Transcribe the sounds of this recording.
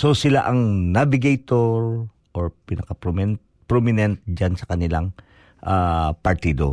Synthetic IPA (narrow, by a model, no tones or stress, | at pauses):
sosɪlaʔɐŋnabɪɡɐjt̪oɹ | ʔoɹpɪnɐkɐpɾomɛnt̪̚ | pɾomɪnɛnt̪̚d͡ʒansɐkɐnɪla̰ŋ | ʔapɐɹt̪iːd̪o̰